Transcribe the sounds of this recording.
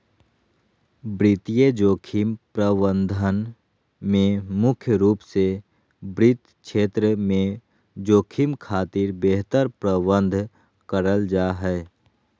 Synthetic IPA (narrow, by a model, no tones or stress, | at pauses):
bɾɪt̪ijed͡ʒoːkʰimpɾəbə̃nd̪ʱən | mẽmʊkʰjəɾuːpse | bɾɪt̪ | ʃeːt̪ɾəmẽ | d͡ʒoːkʰimkʰaːt̪iːɾbeːɦt̪əɾpɾəbə̃nd̪ʱ | kəɾəld͡ʒaːɦɛː